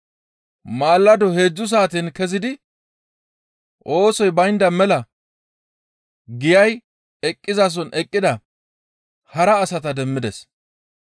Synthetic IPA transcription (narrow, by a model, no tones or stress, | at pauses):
maːlːɐd̪ɔhe̞ːd͡ʒːʊs̬aːt̪inkɛzɪd̪ɪ | ʔo̞ːsɔjbɐjnd̪ɐmɛlɐ | ɡɪjɐj | ɛkʼːɪzas̬ɔnʔɛkʼːɪd̪ɐ | hɐɾɐːsɐt̪ɐd̪ɛmːɪd̪ɛs